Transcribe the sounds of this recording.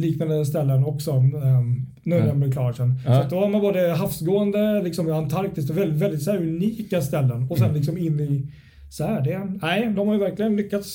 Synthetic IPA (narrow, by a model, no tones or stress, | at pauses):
liːknand̪əst̪ɛlːənɔksɔ | nʊvɛmbəɾklɑːʂɛnat̪̚d̪ɔhaɾmanboːd̪əɦafsɡoːənd̪əlɪksɔmjant̪ʰaɾk̚t̪ɪskt̪ɔvɛlːvɛld̪ɪt̪shæːɾʉniːkast̪ɛlːənɔsɛnlɪksɔmɪnːɪ | sɔhæːɖɛnæɪd̪ɔmhaɾjʏvæɾklɪɡənlʏkːat̪s